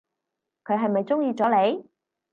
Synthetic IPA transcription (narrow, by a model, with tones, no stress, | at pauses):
kʰɵ˨˧ɥɦɐ˨jmɐ˨jt͡sʊ˥ŋjiː˧t͡sɔː˨˥le˨˧j